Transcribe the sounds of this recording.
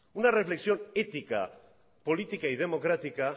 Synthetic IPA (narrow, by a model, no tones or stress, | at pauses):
unare̞fle̞ksio̞ne̞t̪ika̰ | po̞lit̪ikaið̞e̞mo̞kɾat̪ika